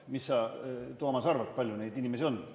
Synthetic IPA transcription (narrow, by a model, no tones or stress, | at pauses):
misːɑːt̪omɑsɑrvɑt̪̚pɑlʲjune̞jd̪inʲime̞sio̞nː